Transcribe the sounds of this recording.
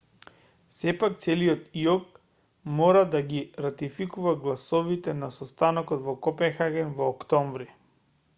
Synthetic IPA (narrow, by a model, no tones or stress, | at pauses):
sɛpak̚t̪sɛliɔt̪iɔk̚ | mɔɾad̪aɡiɾat̪ifikuvaɡlˠasɔvit̪ɛnasɔst̪anɔkɔd̪vɔkɔpɛnxaɡɛnvɔːkt̪ɔɱvɾi